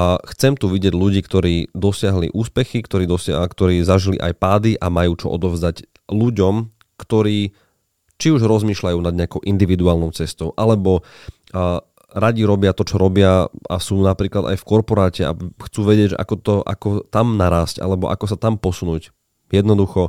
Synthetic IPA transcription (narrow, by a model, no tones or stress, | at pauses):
xt͡sɛmt̪uʋiɟɪɛɟluɟiːkt̪ɔɾiːd̪ɔsɪaɦlḭʔuːspɛxikt̪ɔɾiːd̪ɔskt̪ɔɾiːzaʒilḭʔa̰jpaːd̪iʔamajuːt͡ʃɔ̰ʔɔ̰d̪ɔʊzd̪aɟ | luɟɔm | kt̪ɔɾiː | t͡ʃiuʒɾɔzmiːʃlajuːnad̪ɲɛakɔʊʔind̪iʋid̪uaːlnɔʊt͡sɛst̪ɔʊʔalɛbɔ | ɾaɟiɾɔbɪat̪ɔt͡ʃɔɾɔbɪaa̰suːnapɾiːklad̪a̰jfkɔɾpɔɾaːcɛa̰xt͡suːʋɛɟɪɛɟʒɛ̰ʔa̰kɔt̪ɔʔa̰kɔt̪amnaɾaːsca̰lɛbɔ̰ʔa̰kɔsat̪ampɔsunuːc | jɛd̪nɔd̪uxɔ